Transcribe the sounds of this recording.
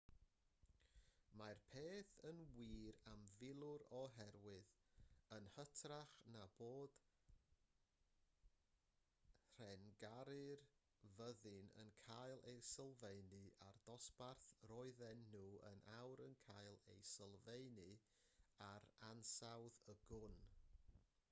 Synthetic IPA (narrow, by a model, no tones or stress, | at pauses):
marpʰeːθənwiːɾamvɪlˠʊɾɔɦɛrwɪðənhətʰraχnab̥oːd̥ | r̥ɛnɡaɾɨr | vəðɨnə̰nkʰajlˠejsəlˠvenɨard̥ɔsparθrɔɨðɛnːuːə̰nʔawɾənkʰajlˠḛjsəlˠvejnɨ | aɾansawðəɡʊn